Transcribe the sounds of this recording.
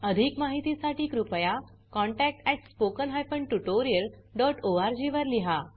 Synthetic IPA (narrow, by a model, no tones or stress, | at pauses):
əd̪ʱikmaɦit̪isaʈiːkɾupəja | kɔ̃ɳʈæk̚ʈɛʈspokənɦajpəɳʈuʈoɾiəlɖɔʈoaɾd͡ʑiʋəɾliɦa